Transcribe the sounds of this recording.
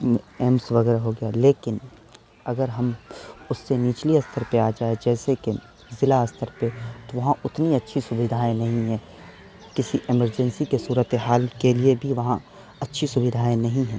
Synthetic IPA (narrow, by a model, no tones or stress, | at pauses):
ɛːmsʋɐɡɛːɾaɦoɡɪjaleːkɪn | ɐɡəɾɦɐmʊsːeniːt͡ʃliɐst̪ʰəɾpeaːd͡ʒaːed͡ʒɛːseke | zɪlaɐst̪ʰəɾpet̪oʋɐɦãʊt̪niɐtːʃʰisʊbɪd̪ʱaːẽnɐɦĩɦɛ̃ː | kɪsiʔɪməɾd͡ʒɛ̃nsikesuːɾət̪eɦaːlkeliebʱiʋɐɦã | ɐtːʃʰisʊbɪd̪ʱaːẽnɐɦĩɦɛ̃ː